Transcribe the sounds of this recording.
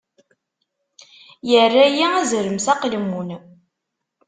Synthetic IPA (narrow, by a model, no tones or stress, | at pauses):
jərːæjiæzɾəmsæqlmun